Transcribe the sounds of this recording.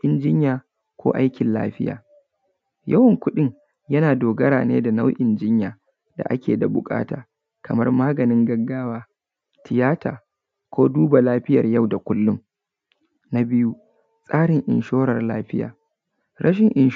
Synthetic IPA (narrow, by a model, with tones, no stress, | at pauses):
ʔɪ˨nd͡ʒɪ˦ɲjaː˨ | kʷo̰ː˦ʔa˦jkʲɪ˨nla̰ː˦ɸɪ˦ja̰ː˨ | jɐ̰˦wɐ˨ŋkʷʊ˦ɗɪ˦ŋ | jɐ˦naː˨doː˨ɡɐ˦ɽaː˨nḛː˦da˨na˦wʔɪ˨nd͡ʒɪ˦ɲjaː˨ | da̰˨ʔa̰˦kʲeː˨da˨bʊ˨kʼa̰ː˦ta̰ː˨ | kʰɐ˨mɐ˦rmaː˦ɡɐ˨nɪ˦ŋɡɐ˦ɡːaː˦waː˦ | tʰɪ˨jaː˦taː˨ | kʷoː˦duː˦ba˨laː˦ɸɪ˦jɐ̰˨rja˦wda˨kʷʊ˦lːʊ˦m | na˦bɪ˦ju˦ | sʼaː˦ɽɪ˨ŋʔɪ̰˨nʃoː˦ɽɐ˨rlaː˦ɸɪ˦ja̰ː˨ | ɽʔɐ˦ʃɪ˨ŋʔɪ˨n